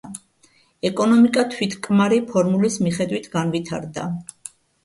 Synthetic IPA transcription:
ɛkʼɔnɔmikʼat̪ʰwit̪ʰkʼmaɾipʰɔɾmulismiχɛd̪wit̪ʰɡanvit̪ʰaɾd̪a̰

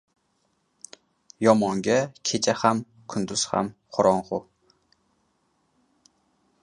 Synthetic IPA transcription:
jɒmɒŋɡʲakʲʰet͡ʃʰaham | kʰʊnd̪ʊz̥ha̰mqʰʊɾɒnqʊ

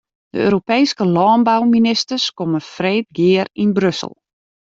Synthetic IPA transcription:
d̥ə̰ø̰ːɾopeːskəlɔːnbawminɪstərskoməfreːt̚ɡɪərinbrøsə̰lˠ

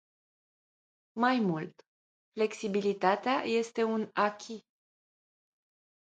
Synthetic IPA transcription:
majmult̪ | fle̞ksibilit̪at̪eaje̞st̪e̞unakʲʰi

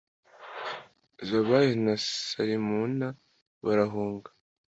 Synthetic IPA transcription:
zaβajenassaɾimuna | βaɾaɦuːŋɡḁ

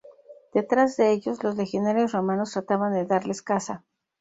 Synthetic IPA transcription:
d̪̥e̞t̪ɾazðe̞eʝo̞zlo̞szlexjonaɾjosromano̞st̪ɾat̪aβand̪e̞ðaɾle̞skasa

